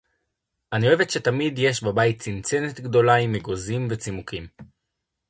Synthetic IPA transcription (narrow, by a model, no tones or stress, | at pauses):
ʔanioevetʃe̞tamidje̞ʃbabajitt͡sint͡senet̪ɡdo̞laimeɡo̞zimvet͡simukim